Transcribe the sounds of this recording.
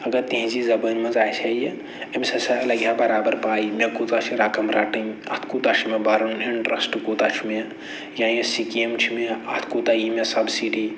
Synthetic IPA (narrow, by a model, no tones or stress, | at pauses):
ɐɡɐɾt̪ẽɦzizɐbənmɐ̃zaːit͡ʃʰaije | ɐmʲsɐsɐɐlɐɡjabɐɾaːbɐɾpaːimẽkut̪at͡ʃʰiɾaːkɐmɾaːʈĩɐ̰t̪ʰkut̪at͡ʃʰimẽbaɾɐniɳʈɾɐsʈkuːt̪at͡ʃʰime | jaːjẽsikiemt͡ʃʰimeɐt̪ʰkut̪ajimesɐbsiːɖi